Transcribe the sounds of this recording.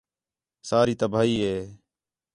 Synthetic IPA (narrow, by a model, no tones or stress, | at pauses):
saːɾiːt̪əbʱaːiːɦeː